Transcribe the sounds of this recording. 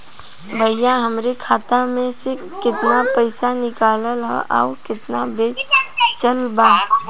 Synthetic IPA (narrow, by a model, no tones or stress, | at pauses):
bʱəjãɦəmɾekʰaːt̪amẽse | kɪt̪napəɪsanɪkaːləlɦɛ̰ʔa̰ʊkɪt̪nabeːt͡ʃəlbaː